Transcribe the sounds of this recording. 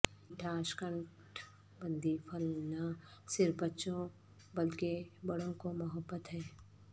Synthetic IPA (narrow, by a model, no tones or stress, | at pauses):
ʈʰaːʃkə̃ɳʈ | bə̃nd̪ipʰəlnəsɪɾfbətːʃõ | bəlkebɐɽõkomɐɦəbːət̪ɦɛː